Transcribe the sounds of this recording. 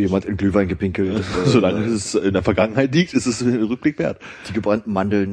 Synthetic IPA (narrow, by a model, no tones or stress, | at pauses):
jeːmantɪnɡlyːvaɪnɡəpʰɪŋkl̩tzolaŋəɛsɪndeːɐfɛɐɡaŋənhaɪtliːk̚tɪstɛsʁʏk̚b̥lɪkv̥eːɐt | d̥iːɡəbann̩mandl̩n